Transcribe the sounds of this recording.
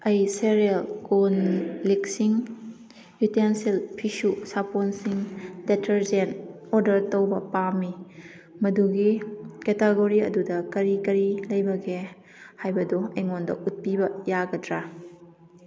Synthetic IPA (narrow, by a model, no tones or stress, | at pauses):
ɐjseɾielkonlik̚siŋ | jutensilpʰisusaponsiŋdetʰɐɾd͡ʒen | ɔɾdɐɾtowbɐpami | mɐduɡiketeɡoɾiɐ̰dudɐkɐɾikɐɾilɐjbɐɡe | hajbɐdɔɐjŋondɐ̰ʔut̚pibɐjaɡɐdɾa